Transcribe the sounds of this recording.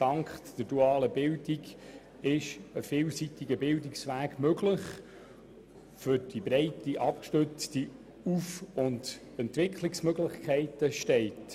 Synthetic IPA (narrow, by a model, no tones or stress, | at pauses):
d̥ɑŋkχd̪̥əɾd̥uɑːləbɪldiɡ | ɪʃəfɪːlsitiɡəbɪldɪksʋæːɡmøɡlɪχ | fʏɾd̥ibɾɛɪtiʔɑp̚kʃtøt͡sti | ufʊnd | ɛntʋɪkʰχliksmøɡlɪχkʰɛɪtəʃtɛɪt